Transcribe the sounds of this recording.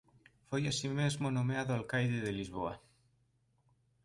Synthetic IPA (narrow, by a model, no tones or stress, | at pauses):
fojasimezmonomeaðoalkajðeð̞elizβoa̰